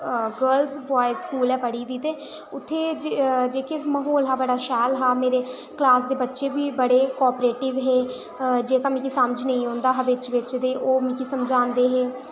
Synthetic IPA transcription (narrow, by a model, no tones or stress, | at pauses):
ɡəɾlzbɔːiskuːlɛːpəɽiːd̪iːt̪eː | ʊt̪ʰːeːd͡ʒd͡ʒeːkeməɦoːlɦaːbəɽaːʃɛːlɦaːmeːɾeː | klaːsd̪eːbətːʃeːbiːbəɽeːkɔːpɾeːʈɪʋɦeː | d͡ʒeːkamĩːkisəmd͡ʒnəĩːɦõːnd̪aːɦəʋɪt͡ʃʋɪt͡ʃd̪eːʔoːmĩːkisəmd͡ʒãːnd̪eːɦeː